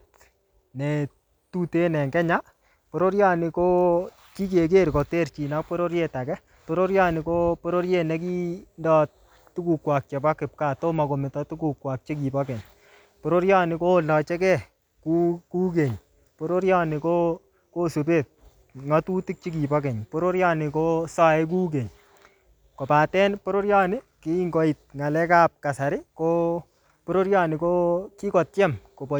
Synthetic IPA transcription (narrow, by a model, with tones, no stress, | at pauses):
t | nɛ˨ | tu˦te˦nɛ˨ŋɡɛ˦ɲa˦ | po˨ɾo˦ɾja˦nɪ˧ko˦ | ki˦ke˨k̬e˦ɾko˨te˦ɾt͡ʃi˨na˦k̚pɔ˦ɾo˦ɾje˦ta˨kɛ˦ | po˦ɾo˦ɾja˦nɪ˨ko˦pɔ˦ɾo˦ɾje˦nɛ˦k̬i˦ndɔ˦ | tu˦ku˨kwa˨k̚t͡ʃɛ˨pa˦kɪ˨p̚ka˦˨to˦ma˨ko˨mɪ˨tɔ˦tu˦ku˨kwa˨k̚t͡ʃi˦k̬i˨pɔ˦kɛ˨n | po˨ɾo˦ɾja˦nɪ˨ko˦˨lɔ˨t͡ʃɛ˦kɛ˦ | ku˦ku˦k̬e˨ɲ | po˦ɾo˦ɾja˦nɪ˨ko˦ | ko˦su˨pe˦˨t̚ | ŋa˦tu˦ti˦k̚t͡ʃi˦k̬i˨pɔ˦k̬ɛ˨ɲpo˦ɾo˦ɾja˦nɪ˨ko˦sa˦ɛ˦k̬u˦k̬e˨ɲ | ko˨pa˨tɛ˦npo˦ɾo˦ɾja˦nɪ˦kɪ˦i˦ŋɡɔ˨i˨t̚ŋa˨lɛ˦ka˦p̚ka˨sa˨ɾɪ˦ko˦ | po˦ɾo˦ɾja˦nɪ˨ko˦ki˦kɔ˨tjɛ˦mko˨pɔ˨